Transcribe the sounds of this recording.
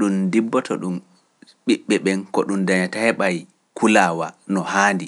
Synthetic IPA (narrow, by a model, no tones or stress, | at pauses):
ɗundibːɔtɔ̰ɗum | ɓiɓːɛɓɛnkɔɗundaɲatahɛɓaj | kʰulaːwanɔhaːndi